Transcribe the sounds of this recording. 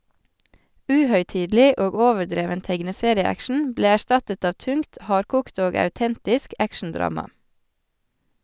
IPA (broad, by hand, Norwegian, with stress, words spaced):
ˈʉːhœʏˌtiːdl̩ˌiː ˈoːɡ ˈoːʋəɾˌdɾeːʋən ˈtɛɡnəˌseːɾɪəˌækʃn̩ ˈbleː æˈʃtɑtət ˈɑːʋ ˈtʉŋkt ˈhɑːɾkuːkt ˈoːɡ ɑʉˈtɛntɪsk ˈækʃɳ̩ˌdɾɑːmɑ